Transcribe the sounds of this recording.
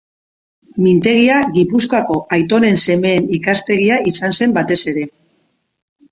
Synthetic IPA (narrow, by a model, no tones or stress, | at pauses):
mint̪e̞ɣ̞iaɣipuskoako̞ʔajt̪o̞ne̞nse̞me̞ːnikast̪e̞ɣ̞iaisanse̞mbat̪e̞se̞ɾe̞